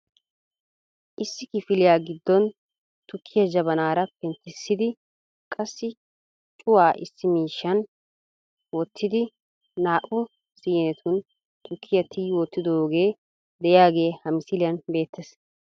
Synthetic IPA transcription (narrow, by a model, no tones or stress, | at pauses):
ʔɪsːɪkɪfɪlɪjaːɡɪd̪ːɔn | t̪ʊkʰːɪjɐd͡ʒɐbɐnaːɾɐpɛnt̪ɪsːɪd̪ɪ | kʼɐsːɪ | t͡ʃʼʊwaːʔɪsːɪmiːʃːɐn | wɔt̪ʰːɪd̪ɪː | aːʔʊ | siːnɛt̪ʰʊn | t̪ʊkʰːɪjɐt̪ʰɪjːwɔt̪ːɪd̪oːɡe̞ː | d̪ɛʔjɪjaːɡe̞ːhɐmɪsɪlɪjɐnbe̞ːt̪ːɛs